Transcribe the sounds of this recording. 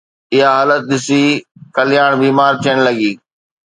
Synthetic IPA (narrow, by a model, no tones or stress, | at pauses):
ɪɦaɦaːlət̪̚ɗ̪ɪsikɐlɪjaːɽ̃biːmaːɾt̪ʰijəɽ̃lɐɡiː